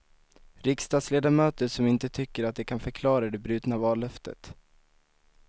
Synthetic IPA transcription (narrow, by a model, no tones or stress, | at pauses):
ɾɪkst̪ɑːd̪sleːd̪amøːt̪əʂɔmɪnt̪ət̪ʰʏkːəɾat̪̚d̪ɛkʰanfœɾkʰlɑːɾad̪ɛbɾʉ̟ːt̪navɑːlːœft̪ə̰t̪